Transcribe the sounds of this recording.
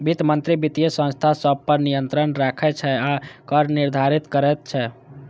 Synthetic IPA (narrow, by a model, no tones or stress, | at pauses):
bit̪mənt̪ɾibit̪ijəsə̃nst̪ʰasəb̚ʱpəɾnijənt̪ɾənɾakʰɛt͡ʃʰɛakəɾniɾd̪ʱaɾit̪kəɾɛt̪̚t͡ʃʰɛ